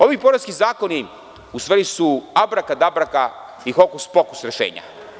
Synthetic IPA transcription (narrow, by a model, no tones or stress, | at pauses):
o̞ʋipo̞ɾaskizaːko̞ni | ust̪ʋeɾisuabɾakad̪abɾaka | ixokuspo̞ku̥sɾeʃḛːɲa̰